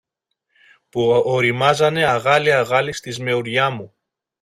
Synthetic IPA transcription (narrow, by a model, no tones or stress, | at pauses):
puoɾimɐzɐne̞ɐɣɐliɐɣɐlist̪izme̞uɾʝɐmu